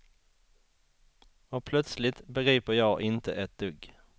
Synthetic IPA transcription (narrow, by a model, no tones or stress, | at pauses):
ɔpʰlœt̪slɪt̪bɛɡɾiːpəɾjɑːɡʔɪnt̪ʰə̰ʔɛt̪̚d̪̥ɵɡː